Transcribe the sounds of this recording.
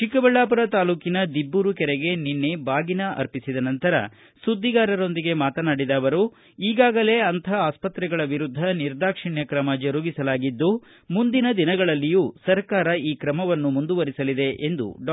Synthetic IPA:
t͡ʃikɐbɐɭːaːpuɾɐt̪aːluːkinɐd̪ibːuɾukɛɾɛɡe̞ninːebaːɡinɐʔɐ̰ɾpisid̪ɐnɐnt̪ɐɾɐ̰ | sud̪ʱːiɡaːɾɐɾo̞nd̪iɡe̞maːt̪ɐnaːɽid̪aːʋɐɾu | iːɡaːɡɐle̞ːɐnt̪ʰɐaːspɐt̪ɾɛɡɐɭɐʋiɾud̪ʱːɐniɾd̪aːkʂiɳjɐkɾɐmɐd͡ʒɐɾuːɡisɐlaːɡid̪ːu | mund̪inɐd̪inɐɡɐɭɐlːijuːsɐɾkaːɾɐiːkɾɐmɐʋɐnːumund̪uʋɐɾisɐlid̪e̞ʔend̪ṵɖ

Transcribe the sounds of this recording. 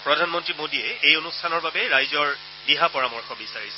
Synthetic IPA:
pɹɔdʱanmɔntɹimodiɛejonustʰanɔɹbabɛɹajzɔɹ | diɦapɔɹamɔɹxɔbisaɹisɛ

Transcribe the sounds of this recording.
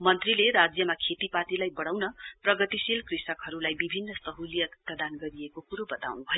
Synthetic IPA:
mʌnt̪rileɾad͡zjʌmakʰet̪ipat̪ilajbʌɽ̃awnʌprʌɡʌt̪isilkrisʌkɦʌɾulajbibʱinːʌsʌɦulijʌt̪ʌd̪anɡʌɾijekokuɾobʌt̪a̰wnubʱʌj

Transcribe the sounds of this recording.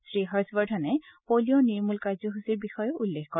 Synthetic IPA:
sɹiɦɔɹsbɔɹdʰɔnɛpolijɔniɹmulkaɹzɔɦusiɹbixɔjɔulːexkɔ

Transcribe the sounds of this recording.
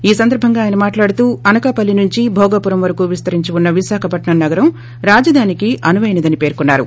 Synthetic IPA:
iːsɐnd̪ɐɾbʱɐŋɡaːjnɐmaːʈlaːɽut̪uːɐnɐkaːpɐlːinuɲt͡ʃibʱɔːɡɐpuɾɐmʋɐɾɐkuːʋist̪ɐɾiɲt͡ʃiunːɐʋiʃaːkʰɐpɐʈɳɐmnɐɡɐɾɐm | ɾaːd͡ʒɐd̪ʱaːnikiʔɐnuʋɐjnid̪ɐnipe̞ːɾkunːaːɾṵ

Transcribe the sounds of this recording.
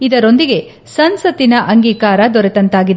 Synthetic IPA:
id̪ɐɾo̞nd̪iɡe̞ | sɐnsɐt̪inɐʔɐŋɡiːkaːɾɐd̪ɔɾet̪ɐnt̪aːɡid̪e

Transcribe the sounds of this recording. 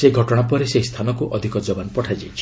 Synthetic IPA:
seɡʱɔʈɔɽ̃apɔɾesest̪ʰanɔkuʔʔɔd̪ʱikɔd͡ʒɔbanɔpɔʈʰad͡ʒajt͡ʃʰi̥

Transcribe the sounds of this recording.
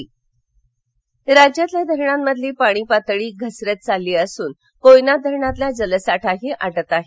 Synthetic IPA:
ɾad͡ʑjat̪ljad̪ʱəɾɳamːəd̪ʱliːpaɽ̃iːpat̪ɭiːɡʱəsɾət̪̚t͡salːiːəsuːn | kojnad̪ʱəɾɳat̪lad͡zələsaʈʰaɦiːʔaʈət̪aɦe

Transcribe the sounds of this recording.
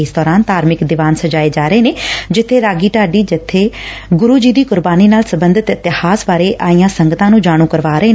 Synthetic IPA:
sd̪ɔːɾaːnt̪aːɾmɪkd̪ɪʋaːnsəd͡ʒaːeːd͡ʒaːɾəeːneːd͡ʒɪt̪ʰːeːɾaːɡiːʈaːɖiːd͡ʒɪt̪ʰːeːɡʊɾuːd͡ʒiːd̪iːkʊɾbaːniːnaːlsəbənd̪ɪt̪ɪt̪ɪhaːsbaːɾeːʔʔaːijãːsəŋɡət̪ãːnũːd͡ʒaːɽ̃ũːkəɾʋaːɾəeː

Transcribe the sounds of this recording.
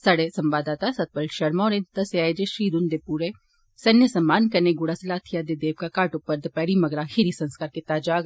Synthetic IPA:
sɐɽesɐmbaːd̪aːt̪asɐt̪̚pəlʃɐɾmɔːɾent̪ɐseaːjd͡ʒeʃɾiːd̪und̪epuːɾe | sɐnjəsɐmːaːnkɐneɡʊɽasɐlaːt̪ʰijad̪ed̪eːʋkakaːʈʊpːəɾd̪ɐpɛːɽimɐɡɾahiɾisɐ̃nskaːɾket̪aːd͡ʒaːɡ

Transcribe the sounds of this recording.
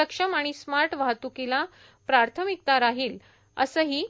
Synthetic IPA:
əkʂəmaɽ̃ismaɾʈʋaɦt̪ukila | pɾaɾt̪ʰəmik̚t̪aɾaɦiːl | ə̰səːɦiː

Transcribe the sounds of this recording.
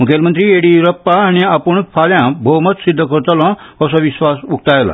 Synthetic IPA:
mukʰelmənt̪ɾiːeɽiɾəpːaːɽ̃iapuɳfʰaljãbʱowmət̪sid̪ʱːəkəɾt̪əlɔ̃əsɔʋisʋasuk̚t̪ajla̰

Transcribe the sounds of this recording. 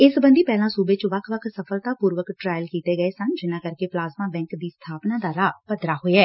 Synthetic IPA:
ɪsbənd̪iːpɛːlãːsuːbeːt͡ʃʋəkʰʋəkʰsəpʰəlt̪ãːpuːɾʋəkʈɾaːjəlkiːt̪eːɡəeːsənd͡ʒɪnãːkəɾkeːplaːzmãːbɛ̃ːŋkd̪iːst̪ʰaːpnãːd̪aːɾaːpəd̪ɾaːɦoːeɛː

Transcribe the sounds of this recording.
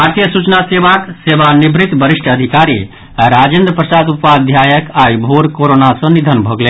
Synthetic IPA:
bɦaɾt̪ijəsut͡ʃnaseʋakseʋanibɾit̪bəɾiʂʈəd̪ʱikaɾi | ɾad͡ʒend̪ɾəpɾəsad̪upad̪ʱjajəkajbʱoɾkoɾonasə̃nid̪ʱənbʱəɡle

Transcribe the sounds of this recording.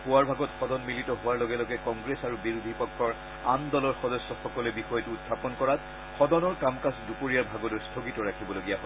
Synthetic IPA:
hʊwaɹbʱaɡɔtxɔdɔnmilitɔɦʊwaɹlɔɡɛlɔɡɛkɔŋɡɹesaɹubiɹud̪ʱipɔkʰːɔɹ | andɔlɔɹxɔdɔsːɔxɔkɔlɛbixɔjɔtuːttʰapɔnkɔɹat | xɔdɔnɔɹkamkasdupoɹijaɹbʱaɡɔtojstʰoɡitɔɹakʰibɔloɡijaɦɔ

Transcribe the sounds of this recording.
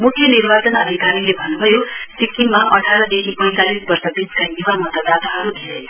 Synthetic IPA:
mukʰːjʌnirbat͡sʌnʌd̪ʱikaɾilebʱʌnːubʱʌjosikiŋmaʔʌʈʰaɾʌd̪ekʰipʌj̃t̪alisbʌrsʌbiskajnibamʌt̪ʌd̪at̪aɦʌɾud̪ʱeɾe

